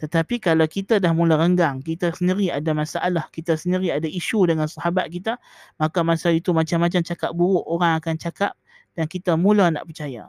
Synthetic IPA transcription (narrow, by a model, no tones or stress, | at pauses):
t̪ət̪apikalawkit̪adahmulaɾəŋɡaŋkit̪asəndiɾiadamasaʔalahkit̪asəndiɾiadaiʃudəŋansahabat̪̚kit̪a | makamasait̪umat͡ʃamːat͡ʃamt͡ʃakap̚buɾʊʔoɾaŋakant͡ʃakap̚ | d̥ankit̪amũlana̰ʔpərt͡ʃaja̰